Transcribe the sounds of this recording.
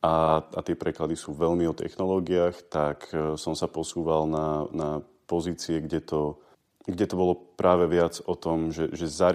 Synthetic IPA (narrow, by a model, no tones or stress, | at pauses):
ʔaat̪ɪɛpɾɛklad̪isuːʋɛʎmiɔt̪ʰɛ̰xnɔlɔːɡiaːxt̪aksɔmsapɔsuːʋalnana | pɔziːt͡siɛɡɟɛt̪ɔ | ɡɟɛt̪ɔbɔlɔpɾʔaːʋɛʋɪad͡zɔt̪ɔmʒɛʒɛzaɾ